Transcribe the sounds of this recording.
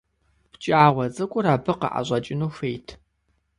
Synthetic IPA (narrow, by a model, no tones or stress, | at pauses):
pt͡ʃʼaːʁʷɐt͡sʼɨkʷʼʊɾaːbɨqə̰ʔa̰ʑʷʼɐt͡ʃʼɪnuːfejtʰ